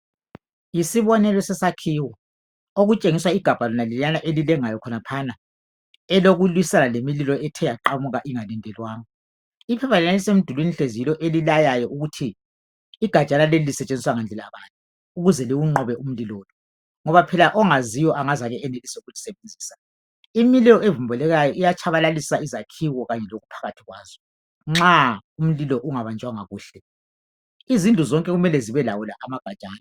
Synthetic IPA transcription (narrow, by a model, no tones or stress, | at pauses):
jisiβɔnɛlɔsɛsakʰiwɔ | oɣut͡ʃʼeŋiswaiɡ̥ʱab̥ʱalɔnalilanaʔelilɛŋajɔkʰɔnapʰana | ɛloɣulwisanalemililɔɛtʰɛjaǃamuɣaʔiŋalɛndʱɛlwaːŋɔ | ipʰɛpʰalɛnalisemid̥ʱulwiniɬezilɔʔelilajajɔʔuɣutʰiː | ɡ̥ʱḁt͡ʃʼanalelilisɛt͡ʃʼend͡zʱiswaŋand͡ɮʱɛlaβanʼu | uɣuzɛliwuŋ͡ǃɔβɛum̩lilɔːlɔ | ŋɔβapʰɛlaʔɔŋazijɔʔaŋazaɣɛɛnelisɛuɣulisɛβend͡zʱiːsa | imilɛɔevumbʱɛlɛɣajɔʔijat͡ʃʰaβalalisaizakʰiwɔɣaɲɛloɣupʰḁɣatʰiɣwaːzɔ | ŋ͡ǁaum̩lilɔʔuŋaβand͡ʒʱwaŋaɣuːɬɛ | izind͡ɮʱuzɔŋkʼɛɣumɛlɛziβɛlawulaʔamaɡ̥ʱḁt͡ʃʼaːna